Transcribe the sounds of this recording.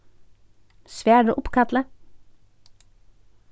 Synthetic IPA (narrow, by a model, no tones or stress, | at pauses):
sʋæːɖʉːʔʊpkʰɑt̪lə